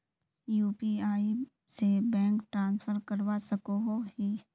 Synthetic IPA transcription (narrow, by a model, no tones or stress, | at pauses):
juːpiaːi | sebɛ̃ːŋkʈɾãːnsfʰəɾkəɾwasəkoɦoɦi